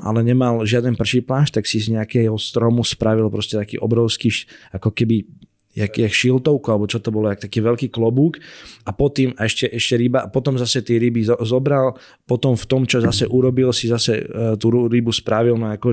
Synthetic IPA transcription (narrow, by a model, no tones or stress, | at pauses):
ʔa̰lɛɲɛmalʒɪad̪ɛnpr̩ʃiplaːʃt̪aksizɲɛakɛɦɔst̪ɾɔmuspɾaʋilpɾɔscɛt̪akḭːʔɔbɾɔʊskiːakɔkɛbi | jakːakʃilt̪ɔʊkualɛbɔt͡ʃɔt̪ɔbɔlɔak̚t̪akiːʋɛʎkiːklɔbuːkapɔt̪imaɛʃcɛʔɛʃcɛɾibaʔapɔt̪ɔmzasɛt̪ɛːɾibizɔbɾal | pɔt̪ɔmft̪ɔmt͡ʃɔzasɛʔuɾɔbilsizasɛ̰t̪uɾuɾibuspɾaʋilnɔakɔ